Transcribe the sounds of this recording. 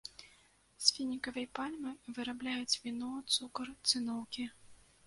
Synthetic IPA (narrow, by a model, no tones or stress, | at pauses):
sʲfʲinʲikɐvɐjpalʲmɨvɨɾablʲajut͡sʲvʲinɔt̪sukɐrt̪sɨnɔwkʲi